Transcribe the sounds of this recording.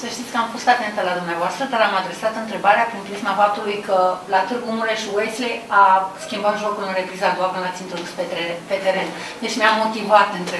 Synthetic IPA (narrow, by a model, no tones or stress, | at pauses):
səʃt̪it̪sʲkəamfo̞st̪at̪e̞nt̪əlad̪umneavoast̪ɾəd̪aɾamad̪ɾe̞sat̪ɨnt̪ɾe̞baɾeapɾinpɾismafap̚t̪ulujkəlat̪ɨrɡumuleʃiwejslejaskʲimbat̪ʒo̞kulɨnɾe̞pɾizaɡoabənat̪sʲint̪ɾo̞d̪uspepe̞t̪eɾe̞n | d̪e̞t͡ʃʲmeamːo̞t̪ivat̪ɨnt̪ɾe